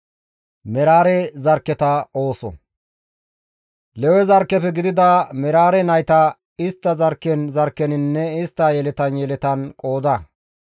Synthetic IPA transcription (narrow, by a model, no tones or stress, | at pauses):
mɛɾaːɾɛzɐɾkːɛt̪ɐoːsɔ̰ | lɛwɛzɐɾkːɛpɛɡɪd̪ɪd̪ɐmɛɾaːɾɛnɐjt̪ɐ | ɪst̪ːɐzɐɾkːɛnzɐɾkːɛnɪnːɛɪst̪ːɐjɛlɛt̪ɐnjɛlɛt̪ɐnkʼoːd̪ɐ